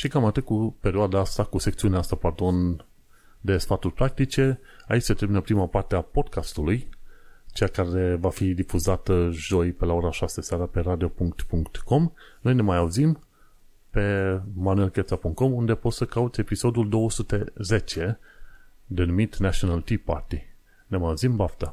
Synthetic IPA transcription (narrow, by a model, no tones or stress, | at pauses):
ʃikamat̪ɨt̪̚kupe̞ɾioad̪aast̪akuse̞k̚t̪siuneast̪apard̪o̞n | d̪e̞sfat̪urʲpɾak̚t̪it͡ʃe̞ | a̰it͡ʃʲset̪ɾebinəpɾimapart̪eapo̞d̪̚kʰast̪ulujt͡ʃejakaɾe̞vafid̪ifuzat̪əʒo̞jpelao̞ɾaʃaseseaɾape̞ɾad̪io̞puŋkt̪puŋkt̪ko̞m | no̞jnemajauzim | pe̞manue̞lkesapuŋkt̪̚ko̞mund̪e̞po̞t̪səkaut̪sʲe̞piso̞d̪uld̪o̞wəsut̪e̞ze̞t͡ʃe̞ | d̪e̞numit̪nat͡ʃionalt̪ipa̰rt̪i | ne̞majauzimbaft̪a